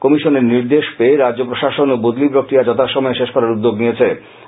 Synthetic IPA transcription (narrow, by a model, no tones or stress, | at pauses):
kɔmiʃoneɾniɾd̪eʃpeeɾad͡ʑʑopɾoʃaʃonobod̪lipɾokɾiad͡ʑɔt̪ʰaʃɔmɔeʃeʃkɔɾaɾud̪ːoɡnijet͡ɕʰe